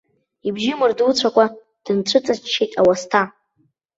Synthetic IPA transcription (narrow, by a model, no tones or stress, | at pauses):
ibʒɪmɨrdut͡sʷʰakʷʼa | d̥ɨnʈ͡ʂʷʰɨt͡sʼat͡ʃt͡ʃːejtʼawastʰa